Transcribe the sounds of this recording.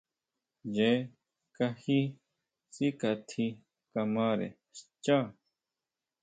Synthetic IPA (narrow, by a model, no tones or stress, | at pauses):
d͡ʑe | kɐhi | sikɐt̪ʰi | kɐmaːɾḛ | st͡ɕa